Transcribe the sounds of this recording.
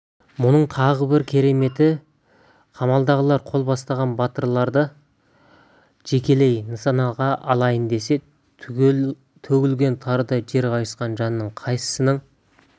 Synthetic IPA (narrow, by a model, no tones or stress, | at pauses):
mʊnəɴt̪ʰɑʁəbɪɾkʲʰe̞ɾe̞me̞t̪ɪ | qʰɑmɑlˠd̪ɑʁəlˠɑɾqʰo̞lˠbɑst̪ɑʁɑnbɑt̪əɾlˠɑɾd̪ə | ʒ̥e̞kʲe̞le̞jnəsɑnɑʁɑʔɑlˠɑjənd̪e̞se̞ | t̪ʰɵɡʲɪlɡʲe̞nt̪ʰɑɾəd̪əʒe̞ɾqɑjəsqɑnʒɑnːəɴqʰɑjsə̥sənəɴ